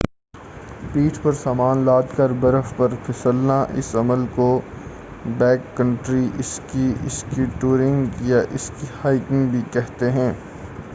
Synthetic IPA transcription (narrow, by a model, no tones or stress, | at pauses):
piːʈʰpɐɾsaːmaːnlaːd̪kɐɾbɐɾəfpɐɾpʰɪsəlnaʔɪ̰sɐməlko | bɛːkːə̃ɳʈɾiɪskiɪskiʈuːɾɪ̃ŋɡjaʔɪskihaːɪkɪ̃ŋɡbʱikɛɦt̪eɦɛ̃ː